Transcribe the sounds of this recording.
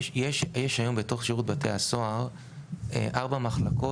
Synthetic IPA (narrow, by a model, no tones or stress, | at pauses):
jeʃjeʃajo̞mbeto̞χʃiʁut̚bateaso̞aʁ | ḛʔaʁbamaχlako